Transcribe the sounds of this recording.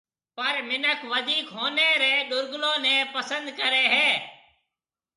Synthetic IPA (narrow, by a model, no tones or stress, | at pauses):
pəɾmɪnəkʋəd̪ʱiːkɦoːneːɾeːɗʊɾɡlõːnɛ̃ːpəsənd̪kəɾeːɦeː